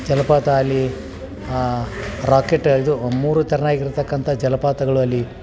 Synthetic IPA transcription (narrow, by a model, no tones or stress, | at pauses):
d͡ʒɐlɐpaːt̪ɐːlːi | ɾaːkeʈːid̪umuːɾut̪ɐɾɐnaːɡiɾt̪ɐkːɐnt̪ʰɐd͡ʒɐlɐpaːt̪ɐɡɐɭuɐlːi